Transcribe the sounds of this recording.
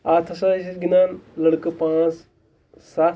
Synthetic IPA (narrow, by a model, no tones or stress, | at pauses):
at̪ʰɐsasisɡinaːnləɽkəpãt͡s | sa